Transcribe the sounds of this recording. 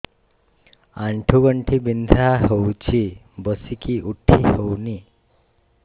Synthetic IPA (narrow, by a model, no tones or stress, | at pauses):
aɳʈʰuɡʌɳʈʰibind̪ʱaɦowt͡ʃʰi | bʌsikiuʈʰːihowni